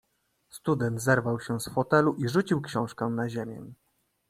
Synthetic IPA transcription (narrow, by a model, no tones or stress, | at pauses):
st̪ud̪ɛnt̪zɛɾvawɕɛsfɔt̪ɛluʔiʐut͡ɕiwkɕɔ̃w̃ʂkɛ̃naʑemʲjɛ̰